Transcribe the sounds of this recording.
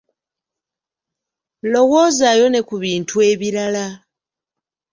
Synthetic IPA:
lo̞wo̞ːzaːjo̞ne̞kuβiːntʰue̞ːβiɾala

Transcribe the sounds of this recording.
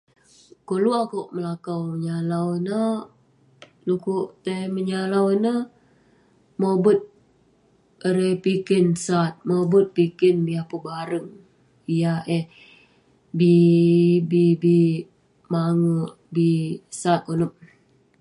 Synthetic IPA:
koluakoʔməlakawməɲalawnə | lukuʔt̪əməɲalawnə | mobət̪̚ | əɾepikɪnsat̪̚mobət̪̚pikɪnbiahpəbaɾəŋ | ijaʔeh | bi | bibi | maŋəʔ | bisat̪̚konəp̚

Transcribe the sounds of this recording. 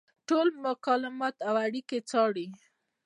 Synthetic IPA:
ʈolmʊkɑlɪmɑt̪awaɽiket͡sɑɽi

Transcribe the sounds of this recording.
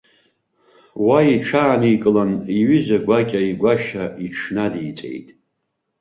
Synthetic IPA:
waiʈ͡ʂʰaːnijkʼɨlaniɥʏzaɡʷakʲʼaiɡʷaʃaiʈ͡ʂʰnadijt͡sʼḛjtʼ

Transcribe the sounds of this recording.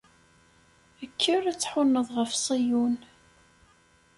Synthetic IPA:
əkʰːəræt͡sːħʊnːəðˤʁəfsˤijun

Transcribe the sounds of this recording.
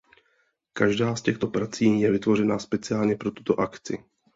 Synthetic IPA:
kaʒdaːscɛxt̪o̞pɾat͡siːjɛvɪt̪vo̞r̝ɛnaːspɛt͡sɪaːlɲɛpɾo̞t̪u̥t̪o̞ʔakt͡sɪ̰

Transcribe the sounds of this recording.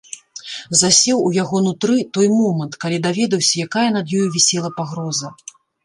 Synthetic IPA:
zasʲɛwujaɣɔnut̪ɾɨt̪ɔjmɔmɐnt̪kalʲid̪avʲɛd̪ɐwsʲɐjakajɐnɐd̪jɔjuvʲɛsʲɛlˠɐpaɣɾɔzɐ

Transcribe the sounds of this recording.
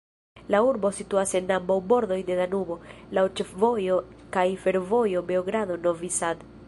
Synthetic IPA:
lauɾbo̞situase̞nambawbo̞ɾd̪o̞jde̞danubo̞lawt͡ʃefvo̞jo̞kajfe̞ɾvo̞jo̞beoɡɾado̞no̞visad̪

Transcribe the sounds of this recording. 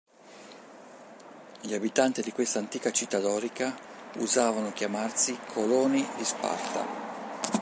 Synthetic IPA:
ʎiabit̪ant̪id̪ikwest̪ant̪iːkat͡ʃit̪ːad̪ɔːɾika | ṵzaːvanok̟jamarsikʰolɔːnid̪ispa̰rt̪a̰

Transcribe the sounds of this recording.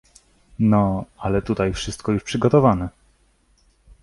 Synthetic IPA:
nɔalɛt̪ut̪ajfʂɘst̪̚kɔjuʂpʂɘɡɔt̪ɔvanɛ

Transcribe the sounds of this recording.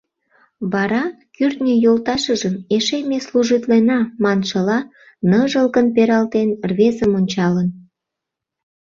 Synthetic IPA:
βɑɾɑ | kyrt̪nʲijolt̪ɑʃəʒəmeʃemesluʒit̪lenɑmɑnʃəlɑ | nəʒəlkənpeɾɑlt̪enrβezəmonʲt͡ɕɑlən

